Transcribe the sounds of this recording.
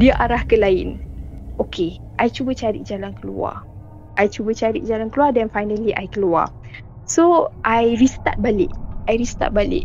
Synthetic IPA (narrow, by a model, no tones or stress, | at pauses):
diəʔaɾahkəlaɪnʔokʰe | ʔajt͡ʃubət͡ʃaɾḭʔ̚d͡ʒalankəlṵa̰ | ʔajt͡ʃubət͡ʃaɾḭʔ̚d͡ʒalankəluadɛnfajnəliʔajkəlua̰ | soʔajɾist̪a̰t̪̚balɪ̰ʔajɾist̪a̰t̪̚balɪ̰ʔ